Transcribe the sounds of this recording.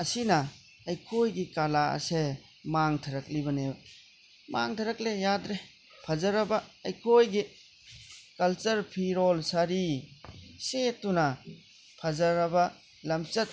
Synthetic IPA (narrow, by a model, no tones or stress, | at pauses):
ɐsinɐ | ɐjkʰojɡikalaɐ̰se | maŋtʰɐɾɐk̚libɐne | maŋtʰɐɾɐk̚lejadɾe | pʰɐzɐɾɐbɐːjkʰojɡi | kɐlt͡ʃɐɾpʰiɾolsaɾi | setːunɐ | pʰɐzɐɾɐbɐ | lɐmt͡ʃɐt̚